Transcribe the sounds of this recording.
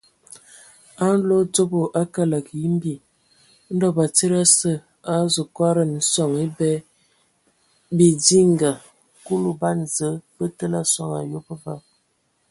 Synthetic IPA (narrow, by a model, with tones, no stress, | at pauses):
a˦n̩˦lo˦t͡so˦bo˨ʔa˦ka˦la˨kji˦m˦bi˦˨˦ | n̩˦dɔ˦ba˨t͡si˦ɾa˦sə˦˨ | a˦zo˨kwa˦ɾə˨n̩˨˦sɔ˦˨ŋi˦bɛ˦ | bi˨di˦ŋɡa˨ | ku˦lu˦˨ba˦nzə˨˦b̥ə˦tə˦la˦swa˦ŋa̰˨jo˦pə˦va˦˨